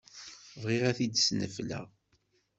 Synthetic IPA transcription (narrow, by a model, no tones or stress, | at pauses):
vʁiʁæθid̪snə̰flæ̰